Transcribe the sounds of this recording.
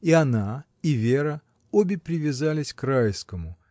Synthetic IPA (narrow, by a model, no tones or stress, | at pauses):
iɐna | ivʲeɾə | obʲɪpɾʲɪvʲɪzalʲɪsʲkrajskəmʊ